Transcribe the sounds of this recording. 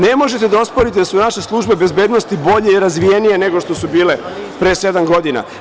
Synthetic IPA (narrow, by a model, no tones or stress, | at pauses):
ne̞mo̞ʒet̪e̞d̪ao̞spo̞ɾit̪̬ed̪asunaʃeslˠuːʒbebe̞zbe̞ːd̪no̞st̪ibo̞ʎeiɾazʋije̞nije̞ne̞ɡo̞ʃt̪o̞subiːle̞pɾeːse̞d̪amɡo̞d̪ina̰